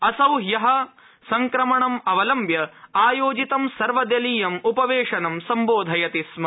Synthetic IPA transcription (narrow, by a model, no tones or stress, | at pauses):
ɐsɐwɦjɐɦɐ̆ | sɐŋkɾɐmɐɳɐmɐʋɐlɐmbʱjɐaːjoːd͡ʒit̪ɐmsɐɾʋɐd̪ɐliːjɐmupɐʋeːʂɐnɐmsɐmboːd̪ʱɐjɐt̪ismɐ